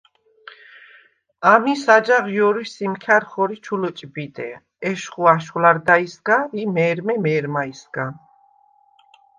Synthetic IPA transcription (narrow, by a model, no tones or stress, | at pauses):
amisad͡ʒaʁjɔɾisimkʰaɾχɔɾit͡ʃʰulɔt͡ʃʼbid̪ɛ̰ | ɛʃχuaʃwlaɾd̪aisɡaimɛːɾmɛmɛːɾmaisɡa